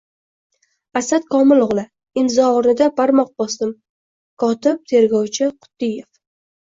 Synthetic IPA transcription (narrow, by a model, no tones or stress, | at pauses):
asat̪kʰɒmɪlˠʊʁlˠɪ | ɪnzɒːɾnɪd̪apʰaɾmɒq̚bɒsd̪ɪm | kʰɒt̪ɪb̚t̪ʰe̞ɾɡɒwt͡ʃʰɪqʰʊ̥d̪ɪjef